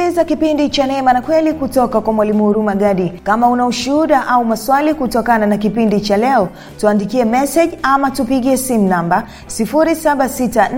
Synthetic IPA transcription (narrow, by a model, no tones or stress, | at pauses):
izakipindit͡ʃanɛmanakwɛlikutɔkakwamwalimuuɾumaɠaɗikamaunauʃuuɗaʔaumaswalikutɔkananak̬ipindit͡ʃalɛɔ | tuandikiɛmɛsɛʄamatupiɠiɛsimunamba | sifuɾisaɓasita